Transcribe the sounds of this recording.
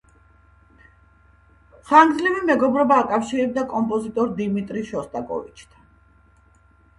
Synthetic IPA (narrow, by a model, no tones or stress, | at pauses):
χaŋɡdzlivimɛɡɔbɾɔbaːkʼafʃiɾɛb̚d̪akʼɔmpʼɔzit̪ʼɔɾd̪imit̪ʼɾiʃɔst̪ʼakʼɔ̰vit͡ʃʰt̪ʰḁn